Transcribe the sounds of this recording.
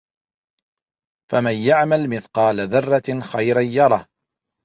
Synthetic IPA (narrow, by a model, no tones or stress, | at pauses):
famanjaʕmalmɪθqɑːlaðɑrˤːɑxɑjɾaːɑɾˤɑːh